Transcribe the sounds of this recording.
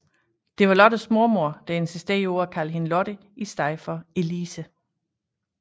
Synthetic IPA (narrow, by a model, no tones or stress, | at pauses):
d̥e̝ʋɑ̈lɒ̽d̥əsmo̝ɐmo̝ɐ̰d̥æensisd̥eɐo̝ɐkʰælɦe̝nlɒ̽ɾ̥ə | isd̥ɑ̈ɪfɒe̝liːsə